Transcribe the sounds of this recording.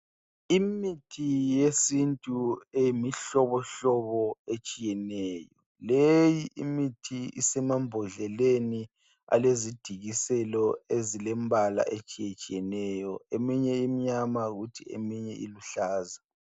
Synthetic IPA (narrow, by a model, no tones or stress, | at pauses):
imitʰijesintʼuejimiɬɔβɔɬɔβɔet͡ʃʼijɛnɛːjɔ | lejiʔimitʰiḭsɛmambʱɔɮɛleni | a̰lezid̥ʱiɣisɛlɔezilɛmbʱala̰ʔet͡ʃʼijet͡ʃʼijɛnɛjɔemiɲɛimiɲamaɣutʰiḛmiɲɛʔḭluɬaːza